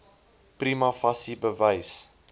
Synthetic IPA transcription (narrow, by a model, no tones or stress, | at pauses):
primɐfɐsibəvəjs